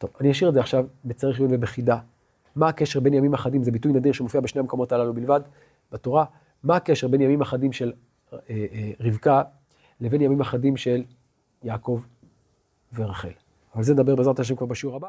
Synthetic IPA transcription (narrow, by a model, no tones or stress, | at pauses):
to̞vanijaʃiʁezeaχʃavbet͡saʁeχjunvebeχida | maːke̞ʃe̞ʁbe̞njamimaχadimzebitujnadiʁʃemofiabeʃneamkomo̞talalubilvad | b̥ato̞ʁa | maːkeʃe̞ʁbe̞njamimaχadimʃe̞l | eʁivka | levenjamimaχadimʃe̞l | jaːko̞v | veʁaχe̞̰l | avalzend̪abe̞ʁbezʁataʃemkvaʁbaʃeuʁaba